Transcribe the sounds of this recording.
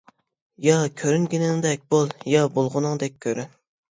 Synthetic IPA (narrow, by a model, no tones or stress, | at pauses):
jɑkʲʰøɾyŋɡʲinɪŋd̪ɛk̚ʲbolˠjɑbolˠʁʊnɨŋd̪ɛk̚ʲʰːøɾyn